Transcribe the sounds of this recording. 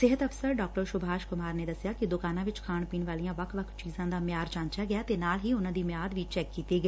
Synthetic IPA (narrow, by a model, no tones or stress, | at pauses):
sɪɦət̪əpʰsəɾɖaːk̚ʈəɾʃʊbʱaːʃkʊmaːɾneːd̪əsɪjaːkɪd̪ʊkaːnãːʋɪt͡ʃkʰaːɳpiːɳʋaːlijãːʋəkʰʋəkʰt͡ʃiːzãːd̪aːmɪjaːɾd͡ʒãːnt͡ʃaːɡɪjaːt̪eːnaːlɦiːʊnãːd̪iːmjaːd̪ʋiːt͡ʃɛːkːiːt̪eːɡə